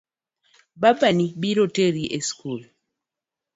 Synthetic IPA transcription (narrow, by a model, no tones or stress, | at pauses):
babanibiɾoteɾiʔeskul